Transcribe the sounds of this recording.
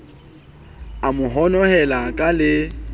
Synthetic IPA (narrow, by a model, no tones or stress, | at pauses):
amʊɦɔnɔhɛlakʼalɪ